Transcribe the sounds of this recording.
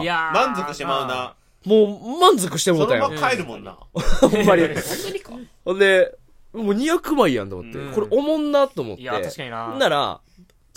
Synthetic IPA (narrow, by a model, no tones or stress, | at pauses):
mãnzokɯ̟ɕemaɯna | moːmãnd͡zo̞kɯ̟ɕi̥t̪emot̪ːãj̰̃akaeɾɯ̟mõnːa̰hõmːaɾʲi | hõnd̪e̞ | moːɲ̟ijakɯ̟maijã̰nt̪o̰mot̪ːeko̞ɾeʔo̞mõ̞nːat̪ːoːmo̞̰t̪ːe̞̰nːaɾa̰